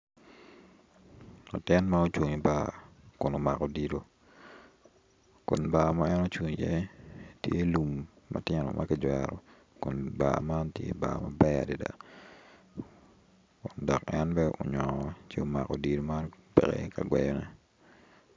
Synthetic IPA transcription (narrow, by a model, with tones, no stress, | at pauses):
la˨tɪ˦nma˦o˦t͡ʃwo˨ŋi˨ba˦ | kʊ˨no˨ma˨kɔ˨di˨ɾo˨ | kʊ˨nba˨ma˦ɛ˦no˦t͡ʃwo˨ŋi˨jɛ˦tje˦lu˨mː | a˨tɪ˦nɔ̰˨mʔa˦kɪd͡ʒwa˨ɾɔ˨ | kʊ˨nba˨ma˦ntjḛ˦ba̰˨ma˨bɛ˦a̰˨di˨da̰˨ | kʊ˨ndɔ˨kɛnbɛ˦o˨ɲɔ˨ŋt͡ʃi˦o˨ma˨kɔ˨di˨ɾo˨ma˦npɛ˨kɛ̰ka˨ɡwɛ˨jɔ˦nɛ˦